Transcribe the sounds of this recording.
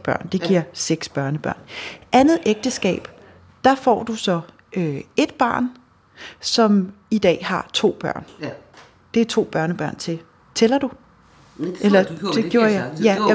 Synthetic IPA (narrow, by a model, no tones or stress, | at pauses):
b̥ɶɐ̰nd̥e̝ɡ̥iɐ̰seɡ̥sb̥ɶɐnəb̥ɶɐ̰nʔænð̞̩ˠeɡ̥̚d̥əsɡ̥ɛ̰ːb̥ | d̥ɑ̈fɒ̰ːd̥usɒ̽ | øe̝d̥̚b̥ɑ̰̈ːn | sɒ̽mid̥ɛ̰ːhɑ̈t͡sʰo̝̰ːb̥ɶɐ̰n | d̥e̝æɐt͡sʰo̝̰ːb̥ɶɐnəb̥ɶɐ̰nt͡sʰe̝ | t͡sʰelɐd̥u | elɐd̥e̝ɡ̥jo̝ːɐjɑjæ